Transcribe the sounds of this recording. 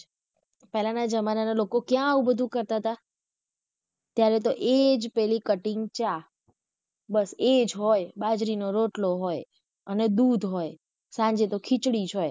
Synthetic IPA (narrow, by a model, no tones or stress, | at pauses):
pɛlanad͡ʒəmananalokokjãaubəd̪ʱũkəɾt̪aɦət̪a | t̪jaɾɛt̪oʔed͡ʒpɛɦlikəʈɪŋɡt͡ʃa | bəsed͡ʒɦojbad͡ʒɾinoɾoʈloɦoj | əned̪ud̪ʱɦoj | sãɲd͡ʒet̪okʰit͡ʃɽid͡ʒɦoj